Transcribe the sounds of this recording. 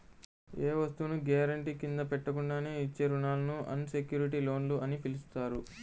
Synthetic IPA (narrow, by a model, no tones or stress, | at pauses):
eːʋɐst̪uːnuɡaːɾɐɳʈiːkind̪ɐpɛʈːɐkuɳɖaːneːit͡ʃːe̞ːɾunaːlɐnuʔɐ̰nse̞kjuːɾiʈiːlo̞ːnluʔɐnipilist̪aːɾu